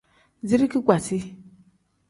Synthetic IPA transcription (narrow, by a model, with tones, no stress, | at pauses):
zi˦ɾi˦ki˦kʷa˨si˦